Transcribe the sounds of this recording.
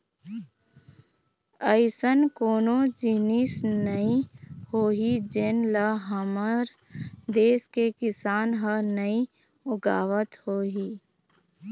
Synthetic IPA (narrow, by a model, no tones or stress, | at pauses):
əɪsənkoːnõd͡ʒɪnisnəĩhoːɦid͡ʒenləɦəməɾ | d̪eːskekɪsaːnɦənəĩ | ʊɡaːʋət̪hoːɦiː